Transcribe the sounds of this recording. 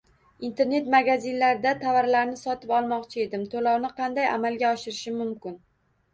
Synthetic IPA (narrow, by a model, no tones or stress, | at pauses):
int̪ʰe̞ɾne̞t̪maɡʲazɪnlaɾɪd̪at̪ʰavaɾlaɾnɪsɒt̪ɪpɒlˠmɒqt͡ʃʰɪe̞d̪ɪmt̪ʰolɒwnɪqʰɑnd̪aja̰malɡʲaɒʃɪɾɪʃɪmʊmkʲɪn